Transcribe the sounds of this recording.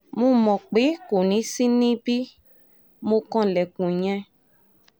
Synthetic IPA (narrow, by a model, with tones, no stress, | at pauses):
mũ˦mɔ̃˨k͡pe˨˦ko˨nĩ˨˦sĩ˦nĩ˦bi˦ | mo˧kɔ̃˦˨lɛ˨kũ˨ɲ̃ɛ̃˧